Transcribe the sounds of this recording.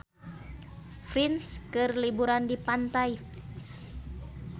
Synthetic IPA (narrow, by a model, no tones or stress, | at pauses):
fɾinskɨrlibuɾandipant̪aj | s